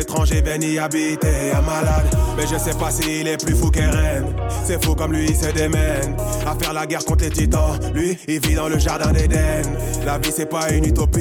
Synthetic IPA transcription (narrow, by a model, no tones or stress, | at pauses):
et̪χɑ̃ʒebɛniabit̪eamalad̪mɛʒəsɛpasiːlɛplyfuk̬ɛʁɛnsɛfokɔmlɥiːsɛd̪emɛnafɛʁlaɡɛʁkɔ̃t̪χlet̪it̪ɑ̃lɥiːlvid̪ɑ̃ləʒaʁd̪ɛ̃d̪ed̪ɛmlavisɛpaynyt̪ɔpi